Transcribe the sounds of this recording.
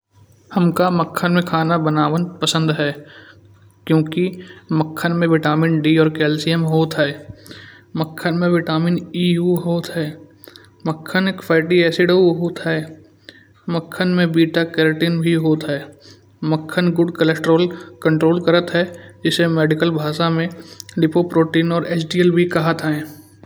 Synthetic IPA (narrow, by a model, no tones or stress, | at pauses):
hɐmkaməkʰːənmẽkʰaːnabənaːʋənpəsə̃nd̪ɦɛː | kjõːkiməkʰːənmẽʋɪʈaːmɪnɖiːɔːɾkɛːlsiɛmɦoːt̪ɦɛː | məkʰːənmẽʋɪʈaːmɪniːuːɦoːt̪ɦɛː | məkʰːənekfʰaːɪʈiɛːsiɖəuɦoːt̪ɦɛː | məkʰːənmẽbiːʈakɛːɾoʈiːnbʱiɦoːt̪ɦɛː | məkʰːənɡʊɖkəlɛsʈɾoːlkə̃ɳʈɾoːlkəɾət̪ɦɛd͡ʒɪsemɛːɖɪkəlbʱaːʃamẽɖɪpopɾoːʈiːnɔːɾeːsɖiːəlbʱikɐɦət̪ɦɛ̃ː